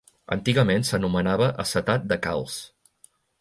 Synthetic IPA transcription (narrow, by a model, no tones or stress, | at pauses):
ə̰nt̪iɣəmensənumənaβəʔəsət̪at̪̚d̪əka̰lˠs